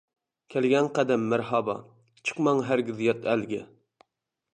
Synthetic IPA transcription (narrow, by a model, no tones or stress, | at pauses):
kʲʰælɡʲɛnqæd̪ɛmːæɾhɑbɑ̰ | t͡ʃʰə̥qmɑŋɦæɾɡʲɪzjɑt̪ʰælɡʲɛ̰